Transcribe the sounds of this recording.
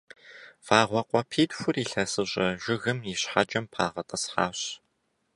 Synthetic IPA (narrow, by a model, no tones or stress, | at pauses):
faːʁʷɔqʷʼɔpʰiːdfʷʊriːɬɐsɨɕʼɐʒ̥ʷɪɣɨmiɕħad͡ʒʼɐmpʰaːʁɐtʼɐsħaːɕ